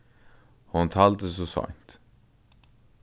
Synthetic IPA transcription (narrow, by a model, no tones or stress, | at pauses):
hʊnt̪ʰɑːld̪əs̬ɔsɑ̰ŋt̪